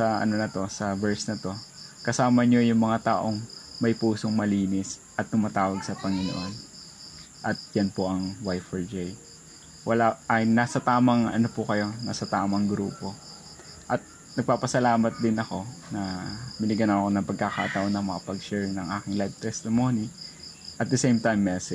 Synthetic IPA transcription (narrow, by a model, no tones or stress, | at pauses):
sɐɐ̰no̞nɐt̪o̞sɐbɛɹsnɐt̪o̞kɐsaːmɐɲo̞jʊŋmɐŋat̪aːʔo̞ŋmɐjpuːsoŋmɐliːnɪsʔɐt̪ːʊmaːt̪aːwɐɡsɐpɐŋɪno̰ʔo̞n | ʔɐt̪̚janpo̞ʔɐŋwajfɛɹd͡ʒej | wɐlaʔɐjnaːsɐt̪aːmɐŋɐ̰nopʊkɐjo̞na̰ːsɐt̪aːmɐŋɡɾṵːpo̞ | ʔɐt̪̚ | nɐɡ̚paːpɐsɐlaːmɐt̪̚d̪ɪnɐko̞nɐmɪnɪɡɐnɐkonɐpɐɡ̚kaka̰ːt̪ɐʔo̞nɐŋmɐŋapɐɡʃɛɹŋnɐŋʔaːkɪŋlajv̚t̪ɛst̪ɪmoni | ʔɐt̪̚d̪ɛsejmt̪ajmːɛsɛ